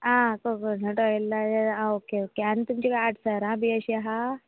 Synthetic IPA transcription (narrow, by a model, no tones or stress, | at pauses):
ãkokənəʈojelːaaãokeokeant̪umt͡ɕikaaʈʰsaɾãbʱiːəɕiaɦa